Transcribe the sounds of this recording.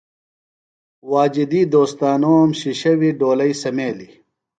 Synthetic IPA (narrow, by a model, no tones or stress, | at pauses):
waːd͡ʑid̪iːd̪oːst̪aːnoːmɕiɕɐwiɖoːlɐisɐmeːli